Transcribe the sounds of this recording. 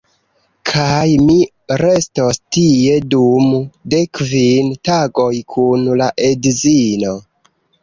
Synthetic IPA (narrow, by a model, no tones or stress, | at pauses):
kʰajmi | ɾe̞stostie̞dumdekvintaɡo̞jkʰunlaʔe̞dzino̞